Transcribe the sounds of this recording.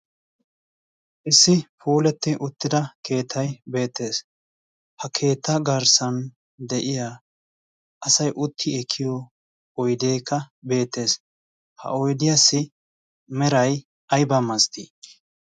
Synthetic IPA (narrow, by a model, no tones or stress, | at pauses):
ʔɪsːɪpuːlɛt̪ːɪʔʊt̪ːɪd̪ɐkʰe̞ːt̪ʰːɐjbe̞ːt̪ːe̞ːs | hɐkʰe̞ːt̪ːɐɡɐɾsɐn | d̪ɛʔɪjaː | ʔɐsɐjʔʊt̪ʰːɪɛkʰːɪjɔ | ɔjd̪eːkːɐbe̞ːt̪ːe̞ːs | hɐ̰ɔjd̪ɪjɐsːɪ | mɛɾɐj | ɐjbɐmɐst̪i